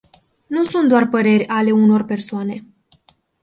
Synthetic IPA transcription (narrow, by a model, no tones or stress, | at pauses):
nusunt̪̚d̪oarpəɾe̞rʲale̞uno̞rpe̞rsoane̞